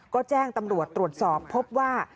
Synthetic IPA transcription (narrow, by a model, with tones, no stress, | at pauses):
kɔː˥˩t͡ɕɛː˥˩ŋt̪a˧mɾu˨˩ət̪ːɾu˨˩ət̪̚sɔː˨˩pʰːo˦˥p̚waː˥˩